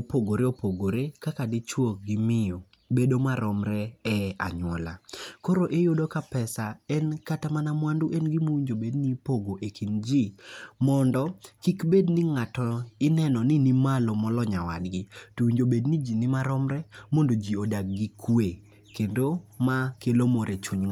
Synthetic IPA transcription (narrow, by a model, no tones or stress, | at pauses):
opoɡoɾeopoɡoɾekakadɪt͡ʃwok̚ɡɪmɪjɔ | bedomaɾɔmɾɛɛa̰ɲwɔ̰la̰koɾoʔejodokapɛsaɛnkatamanamwanduʔenɡimowiɲd͡ʒobednipoɡoʔekʰind͡ʒimɔndɔkikbednɪŋatɔɪnɛnɔnɪnimalɔmɔlɔɲawa̰dɡɪtowiɲd͡ʒobednid͡ʒinɪmaɾɔmɾɛmondod͡ʒiodak̚ɡikʰwe | kendomakelomɔɾʔet͡ʃuɲŋ